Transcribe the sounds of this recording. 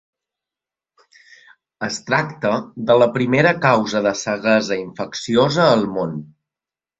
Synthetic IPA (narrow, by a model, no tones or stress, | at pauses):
əst̪ɾakt̪əðələpɾimeɾəkawzəðəsəɣəzəiɱfəksiozəːlˠmon